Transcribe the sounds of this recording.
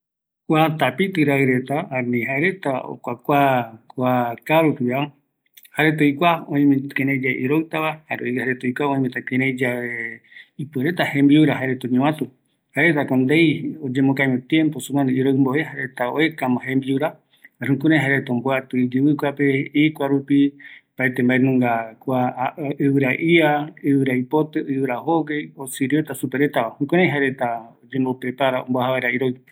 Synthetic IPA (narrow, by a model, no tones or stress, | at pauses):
kʷat̪apit̪ɨɾaɨɾe̞t̪aaɾnĩɦaeɾet̪ao̰kʷakʷakʷakaɾuk̪ɨa | haɾet̪̬ojkʷaõĩmĩkeɾẽd͡ʒaeʔiɾowt̪aβahaɾoihaɾet̪oikʷaõĩmẽt̪akeɾẽd͡ʒaβeipeɾet̪ahẽmbiuɾaɦaeɾet̪oɲũãt̪u | haʔeɾet̪akond̪ejod͡ʒemokajmẽt̪jẽ̞mposũkãneiɾojmboeɦaɾet̪ao̰ekamãhẽmbiuɾa | ɾũkũɾãj̃ɦaɾet̪aomboat̪ɨid͡ʒɨβɨkʷapeikʷaɾupipaet̪embaenũŋɡakʷaɨβɨɾaʔiaɨβɨɾajpot̪eɨβɨɾahoɡejosiɾiot̪asupeɾe̞t̪aahũkãɾãj̃ɦaɾe̞t̪aod͡ʒẽmbopɾepaɾaõ̰mboahaβaeɾaiɾoj